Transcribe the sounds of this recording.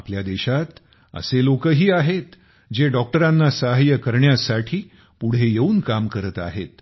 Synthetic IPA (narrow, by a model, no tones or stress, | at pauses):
apljad̪eɕat̪ | ə̰selokəɦiːaɦet̪ | d͡ʑeɖɔk̚ʈəɾanːasəɦajəkəɾɳjasaʈʰiː | puɽ̤ejeuːnkamkəɾət̪a̰ɦet̪̚